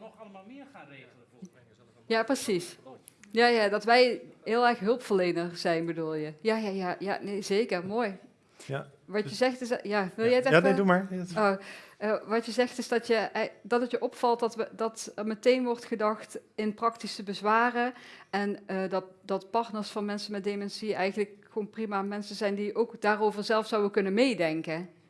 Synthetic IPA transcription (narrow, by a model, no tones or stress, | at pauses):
jaːprəsis | jaːjaːdɑtʋɛjɦɪːlˠɛrxɦɵlˠpfəlejnərz̥ɛjnbədulˠjəjaːjaːjaːja̰ːnejzejkərmoːj | ʋɑəzɛxtɪsjaːʋɪlˠjəjətɛdumaɹo | ʋɑtjəzɛxtɪzdɑtjəʔɛdɑtɑtjəʔɔpfɑlˠtɑtdɑtəɹmətejnʋɔrtxədɑxtɪnprɑktisəbəzʋaːrəɛnədɑd̥ɑtpɑɹtnəɹsfɑnmɛnsənmɛt̚demɛnsiɛjɣənləkxəoːnprimamɛnsənzɛjndiʔowkdaːrowvəɹzɛlˠfsɑwəkɵnənmejdɛŋkə